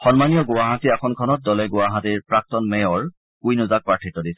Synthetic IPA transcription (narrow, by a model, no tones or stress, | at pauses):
xɔnmanijɔɡʊwaɦatiakʰɔnkʰɔnɔt̚dɔlɛɡʊwaɦatiɹpɹak̚tɔnmɛjɔɹ | kujnʊzak̚paʈʰitɔdisɛ̥